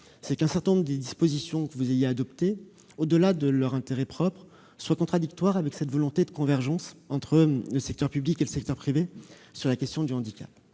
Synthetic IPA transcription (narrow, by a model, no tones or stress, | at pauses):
sɛkɛ̃sɛʁt̪ɛ̃nɔ̃bʁəd̪ed̪ispozisjɔ̃kəvuzejead̪ɔpt̪e | od̪əlad̪əlœʁɛ̃t̪eʁɛpχɔpχ | swakɔ̃t̪χad̪ik̚t̪waʁavɛksɛt̪vɔlɔ̃t̪ed̪əkɔ̃vɛʁʒɑ̃sɑ̃t̪χələsɛk̚t̪œʁpyblikeləsɛk̚t̪œʁpχive | syʁlakʲɛst̪jɔ̃d̪yɑ̃d̪ikʲa̰p̚